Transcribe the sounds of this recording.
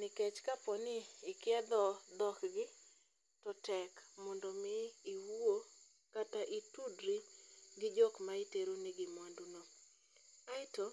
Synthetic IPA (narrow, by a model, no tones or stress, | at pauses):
nɪkɛt͡ʃkapɔnɪɪkjɛd̪ɔd̪ɔkɡɪ | tɔtɛkmɔndɔmɪːwuo | kataʔitudɾiɡɪd͡ʒɔkmaiteɾonɪɡɪmwanduno | aɪto